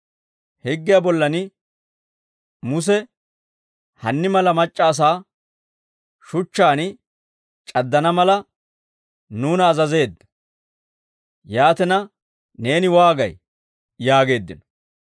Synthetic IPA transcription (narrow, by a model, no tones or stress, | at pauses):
hɛɡːɪjabɔlːɐnɪ | mʊs̬ɛ | hɐnːɪmɐlɐmɐt͡ʃʼːaːs̬aː | ʃʊt͡ʃːaːn | t͡ʃʼɐd̪ːɐnɐmɐlɐ | nuːnɐːzɐze̞ːd̪ːɐ̥ | jaːt̪ɛnɐ | ne̞ːnɪwaːɡɐ̰j | jaːɡe̞ːd̪ːɪ̰nɔ̥